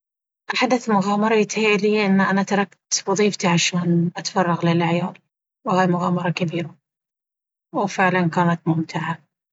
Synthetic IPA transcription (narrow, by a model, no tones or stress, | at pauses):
ʔaħad̪aθmʊɣɑːmɑɾˤɑjɪt̪hiliːʔɪnːʔanat̪ɑɾˤɑkt̪wʊðˤiːft̪iʕaʃoːnʔat̪fɑrˤːɑɣlɪlʔaʕjaːd̪ | wɪhaːjmʊɣaːmɑɾˤɑkabiːɾa | wfɪʕlankaːnat̪mʊmt̪ʰɪʕa